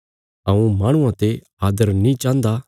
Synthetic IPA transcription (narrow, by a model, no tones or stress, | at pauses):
ɐũmaːɽ̃ʊ̃ãt̪e | aːd̪əɾnĩt͡ʃãːnd̪a